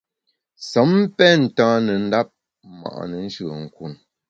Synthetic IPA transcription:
sɔ˨˦m˦pɛ˦n̩˨tãː˦nə˨n̩˦da˦p̚ | ma̰˨ʔnə˨n̩˦ʃʉ˦˨ə̰˨ŋ̩˨ku˨n

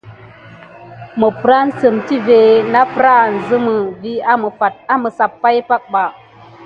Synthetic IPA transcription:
mə˨pɾa˦n̩˦sə˨mti˦ve˨na˦pɾa˦˨n̩˨zɨ˦mə˨vi˦a˦mə˨fa˨t̚a˦mə˨sa˨pːa˦jpa˦k̚ɓa˨

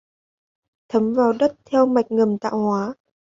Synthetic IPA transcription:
t̪ʰə˨˦mvaː˨˩wɗə˦˥t̚t̪ʰɛ˧wma˨˩jk̟̚ŋə˨˩mt̪a̰ː˧˨whwaː˨˦

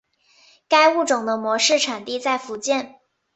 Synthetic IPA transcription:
ka˥ɪu˥˩ʈ͡ʂʊ˨˩ŋd̪ə˦mwɔ˧˥ʂɻ̩˥˩ʈ͡ʂʰa˨˩nt̪i˥˧t͡sa˥˩ɪfu˧˥t͡ɕjɛ˥˩n

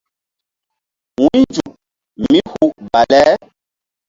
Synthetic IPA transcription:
wuĩ˦d͡ʒu˨ | mi˦hu˦ba˨lɛ˦

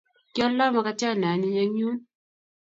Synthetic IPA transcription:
kɔ˦lɔ˦ma˦ka˦t͡ʃa˦˨na˨ni˦ɲa˦ɲu˦

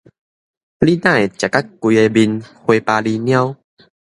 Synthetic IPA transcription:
li˦nã˥˨e˨t͡ɕja˨˩ka˦˥t̚kwi˧e˧bi˧nhwe˧paː˧li˧nj̃ã˦w

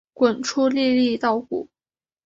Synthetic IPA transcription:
kwə˨˩nʈ͡ʂʰu˥li˥˧li˥˧t̪ɑ˥˩ʊkṵ˨˩˦

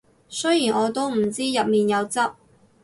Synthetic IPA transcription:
sɵ˥jiː˨˩nʔɔː˨˧t̪o˥wm̩˨˩t͡siː˥jɐ˨p̚miː˨njɐ˨˧wt͡sɐ˥p̚

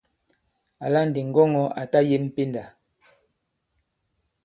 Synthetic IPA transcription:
a˨la˦n̩˨di˨ŋ̩˨ɡɔ˦ŋɔ˦a˨ta˦je˦m̩˦˨pe˦nda˨

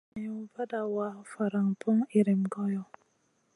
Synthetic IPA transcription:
ɛ˨u˨ba˦da˨wa˦fa˨ɾa˨ŋpʰɔ˦ŋi˨ɾi˨mɡɔ˦jɔ˨

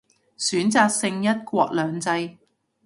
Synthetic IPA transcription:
syː˨˥nt͡saː˧k̚sɪ˧ŋjɐ˥t̚kʷɔː˧k̚lœː˨˧ŋt͡sɐ˧j

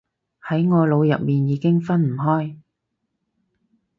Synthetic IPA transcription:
hɐ˨˥jŋɔː˨˧lo˨˧wjɐ̰˨t̚miː˨njiː˨˧˥kɪ˥ŋfɐ˥nm̩˨˩ɦɔː˥j

